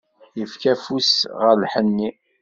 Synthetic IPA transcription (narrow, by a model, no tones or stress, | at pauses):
jəfkæfusʁəɾlħənːi